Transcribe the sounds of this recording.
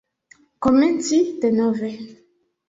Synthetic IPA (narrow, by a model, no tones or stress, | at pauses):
kɔmɛntitɛnɔvɛ